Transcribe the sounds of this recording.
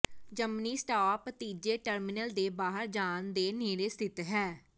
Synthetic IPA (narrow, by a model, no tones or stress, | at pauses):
d͡ʒəmniːsʈaːpt̪iːd͡ʒeːʈəɾmɪnəld̪eːbaːɦəɾd͡ʒaːnd̪eːneːɾeːst̪ʰɪt̪ɦɛː